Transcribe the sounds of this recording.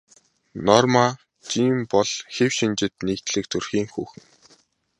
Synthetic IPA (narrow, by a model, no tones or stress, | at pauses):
nɔrma | t͡ɕiːmpɔɮ̥xewʃint͡ɕɪ̆t̪niːkt̪ɮɘ̆k̚t̪ʰɵrxiːŋxuːxɘ̆ŋ